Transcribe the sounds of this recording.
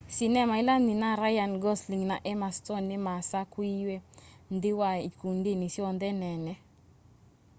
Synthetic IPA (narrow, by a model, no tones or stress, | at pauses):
sinɛmailaninaɾajanɡɔsliŋnaʔɛmastɔnːɪmasakwiwend̪ɪwaikundinisiɔnd̪ɛnɛnɛ